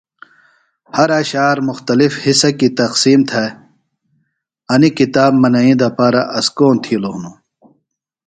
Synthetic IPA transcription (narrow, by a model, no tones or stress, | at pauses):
hɐɾɐɕaːɾmuxt̪ɐlifhisɐkit̪ɐqsiːmt̪ʰɐ | ɐnikit̪aːbmɐnɐĩd̪ɐpaːɾɐʔɐskoːnt̪ʰilonu